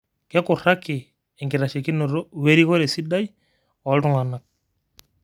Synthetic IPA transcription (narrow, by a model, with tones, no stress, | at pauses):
kɛ˦kɔ˨ɾa˦kɪ˨ | ɛ˨ŋɡi˨ɾa˨ʃe˨ki˦nɔ˨ɾɔ˦we˦ɾi˦kɔ˦ɾɛ˨si˦ɗa˦j | ɔ˨˦ltɔ˦ŋa˨na˨k̚